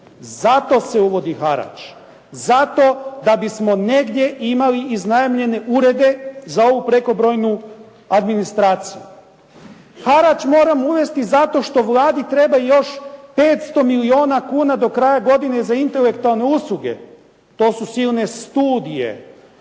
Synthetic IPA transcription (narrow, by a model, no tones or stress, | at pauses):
zat̪o̞se̞uʋo̞d̪ixaɾa̰t͡ʃ | zat̪o̞d̪abismo̞ne̞ɡd̪ʲje̞ʔimaliʔːznajemʎe̞ne̞ʔuɾe̞d̪e̞zao̞ʋupɾe̞ko̞bɾo̞jnu | ad̪minist̪ɾaːt̪siju | xaɾat͡ʃmo̞ːɾamuʋe̞st̪izat̪o̞ʃt̪o̞ʋlˠaːd̪it̪ɾe̞bajo̞ʃpe̞ːt̪st̪o̞milio̞ːnakuːnad̪o̞kɾaːjaɡo̞d̪inezaint̪e̞le̞kt̪ualˠne̞uslˠuɡe̞̰ | t̪o̞ːsusiːlne̞st̪uːd̪ije̞̰